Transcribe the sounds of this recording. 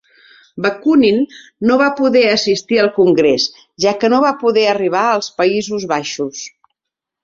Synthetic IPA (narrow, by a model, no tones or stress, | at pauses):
bəkuninːoβapuðɛəsist̪iəlˠkuŋɡɾes | ʒakənoβapuðɛəriβ̞aəlˠspəizuzβaʃus